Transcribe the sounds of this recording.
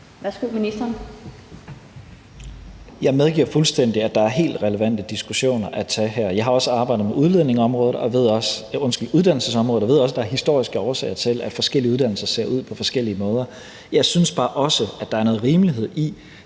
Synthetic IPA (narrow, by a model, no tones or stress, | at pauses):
ʋæsɡ̥uminisd̥ɐn | jɑ̈ɪmeð̞ˠɡ̥ḭɐ̰fulsd̥en̰d̥iæd̥ɑ̈æɐɦe̝̰ːld̥ʁɛləʋæn̰d̥əd̥isɡ̥uɕo̝̰ːnɐʔæt͡sʰɛɦæɐ̰jɑ̈ɪɦɑ̈ɒ̽səɑ̈ːb̥ɑ̈ɪ̰dð̩ˠmeuðˠle̝ð̰ˠne̝ŋɒ̽mʁɔ̽ːð̩ˠɒ̽ʋe̝ð̞̰ˠɒ̽sɔ̽nsɡ̥əl̩uðˠd̥æn̰l̩səsɒmʁɔ̽ːð̩ˠɒʋe̝ð̰ˠɒ̽s̬əd̥ɑ̈æɐɦisd̥o̝ɐ̰isɡ̥əɒʊɐsɛ̰ːɪɐt͡sʰe̝læd̥fɒ̽sɡ̥el̰iəuð̞ˠd̥ænl̩sɐse̝̰ɐʔuð̞̰ˠpʰɒ̽fɒ̽sɡ̥el̰iəmɔ̽ːð̞ˠɐ | jɑ̈ɪsynsb̥ɑ̈ːʔɒ̽səæd̥ɑ̈æɐnɔ̽ːð̩ˠʁiːmliɦe̝ð̞̰ˠi